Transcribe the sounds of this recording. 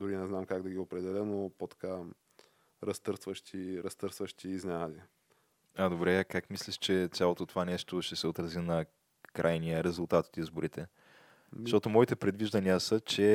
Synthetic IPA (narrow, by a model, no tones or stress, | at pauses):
d̪ʊɾinɛznamkaɡd̪ɐɡʲiopɾɛd̪ɛlʲənopot̪ɐ̥ka | ɾɐst̪ɤɾst̪vəʃt̪ʲʰiɾɐst̪ɤɾst̪vəʃt̪ʲiːznʲad̪i | ad̪obɾɛakakmislʲiʃt͡ʃɛt̪sʲjalˠot̪ot̪ovanɛʃt̪oʃt̪ɛsɛot̪ɾɐzinɐ | kɾʔajnijəɾɛzʊlˠt̪at̪o̥t̪izboɾit̪ɛ | zʃt̪ɔt̪omɔit̪ɛpɾɛd̪viʒd̪ənijəsət͡ʃɛ